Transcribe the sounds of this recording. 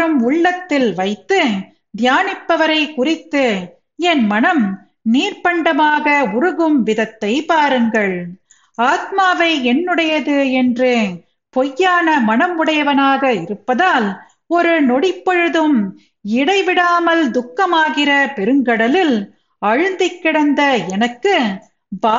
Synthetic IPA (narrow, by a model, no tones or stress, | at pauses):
ɯmʊɭːɐt̪ːɪlʋɐɪt̪ːɯ | d̪jaːnɪpːɐʋɐɾɐɪkʊrɪt̪ːɯ | ɛnmɐnɐm | niːɾpɐɳɖɐmaːɣɐʊɾɯɣɯmʋɪðɐt̪ːɐɪpaːɾɯŋɡɐɭ | aːt̪̚maːʋɐɪɛnːɯɽɐjɐðɯɛndrɯ | pɔjːaːnɐmɐnɐmʊɽɐjɐʋɐnaːɣɐɪɾɯpːɐðaːl | ɔɾɯnɔɽɪpːɔɻɯðɯm | ɪɽɐɪʋɪɽaːmɐld̪ʊkːɐmaːɣɪrɐpɛɾɯŋɡɐɽɐlɪl | ɐɻɯnd̪ɪkːɪɽɐnd̪ɐɛnɐkːɯ | baː